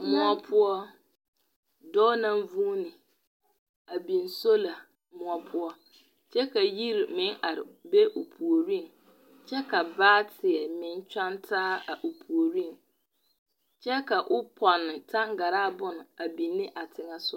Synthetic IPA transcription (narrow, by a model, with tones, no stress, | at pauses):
mʊ̃˦ɔ˦pʰʊ˦ɔ˦ | dɔː˦nã˦m˦vũ˦nɪ̃˨ | a˨bĩ˨nso˦la˨ | mʊ̃˨ɔ˨pʰʊ˦ɔ˦ | t͡ɕʰɛ˦kʰa˨ji˦ɾmɪ̃˨˦na˨ɾɪ˨be˦ʔo˨pʰu˨o˨ɾĩ˦˨n | t͡ɕʰɛ˦kʰa˨baː˦tʰɪ˨ɛ˨mɪ̃˨nt͡ʃᶣã˦ntʰaː˦a˨ʔo˨pʰu˨o˨ɾĩ˦˨n | t͡ɕʰɛ˦ka˨ʔʊ˦pʰɔ˨nɪ̃˨tʰã˦ŋ˦ɡa˨ɾaː˦˨bʊ˦nʊ̃˨a˨bĩ˨nːɪ̃˦ʔa˨tʰɪ˦ŋa˨sʊ˦